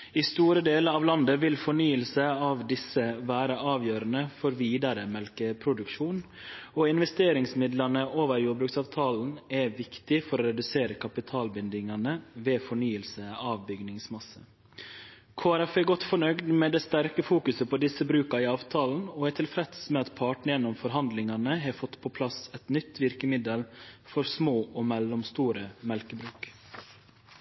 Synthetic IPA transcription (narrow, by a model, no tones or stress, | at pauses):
ist̪uːɾəd̪eːləɾɑːʋlɑnd̪əʋɪlfɔɳyːəlsəɑːʋd̪ɪsəʋæːɾəʔɑːʋjøːɾənəfɔɾʋiːd̪ɑɾəmɛlkəpʰɾʊd̪ʉkʃuːnoːɪnʋɛst̪eːɾɪŋsmɪd̪lɑnəʔoːʋəɾjuːbɾʉːksɑːʋt̪ʰɑːln̩ɛʋɪkt̪ɪfɔɾɔɾɛd̪ʉseːɾəkʰɑpɪt̪ʰɑːlbʏnd̪ɪŋɑnəʋeːfɔɳyːəlsəɑːʋbʏɡnɪŋsmɑsə̰ | kʰoːæɾɛfɛɡɔt̪ːfɔɳœɡd̪mɛd̪ɛst̪æɾkəfuːkʉsəpʰɔd̪ɪsəbɾʉːkɑɪɑːʋt̪ʰɑːln̩ɔɛt̪ʰɪlfɾɛt̪smɛɑt̪pʰɑːʈnəjɛnːɔmfɔɾɦɑnd̪lɪŋɑnəɦɑfɔt̪ːpʰɔpʰlɑsɛt̪nʏt̪ːʋɪɾkəmɪd̪əlfɔɾsmoːʔɔːmɛlɔmst̪uːɾəmɛlkəbɾʉːk